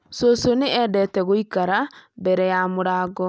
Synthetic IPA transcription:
sosonɪɛdɛtɛɣoikaɾabɛɾɛjamuɾaːɡɔ

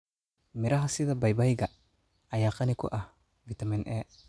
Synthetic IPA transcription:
mɪɾɐɦɐsɪðɐbɐjbɐjɡɐ | ɐjaːqɐnɪkʊ̰ʔɐh | vit̪ɐminʔɛ

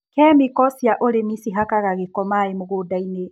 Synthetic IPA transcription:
kɛːmikɔsjaʔoɾemisiɦakaɣaɣekɔmaemoɣoːdaine

